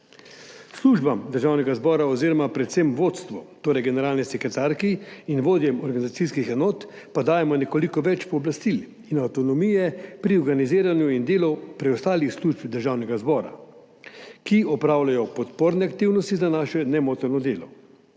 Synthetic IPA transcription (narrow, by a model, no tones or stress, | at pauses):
sluʒbamd̪əɾʒaːwnɛɡazbɔːɾaɔziːɾɔmapɾɛt̪semʋoːt̪st̪ʋɔt̪oːɾɛjɡɛnɛɾaːlnɛsɛkɾɛt̪aɾkiinʋoːd̪jɛmɔɾɡanizat̪siskixɛnoːt̪ | pad̪aːjɛmɔnɛkolikɔʋɛt͡ʃpɔːblast̪il | inawt̪ɔnɔmijɛpɾiɔɾɡaniziːɾanjuind̪eːlɔpɾɛɔst̪aːlixsluʒpd̪əɾʒawnɛɡazbɔːɾa̰ | kiɔpɾaːwlajɔpɔt̪poːɾnɛak̚t̪iwnɔst̪izanaːʃɛnɛmoːt̪ɛɾnɔd̪eːlɔ̰